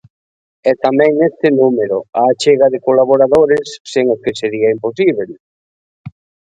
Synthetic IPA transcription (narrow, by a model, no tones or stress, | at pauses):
ɛt̪amɛ̃ŋnest̪ɪnumeɾoaːt͡ʃeɣaðɪkolaβ̞oɾaðoɾesːeŋokeseɾiɐimposiβ̞el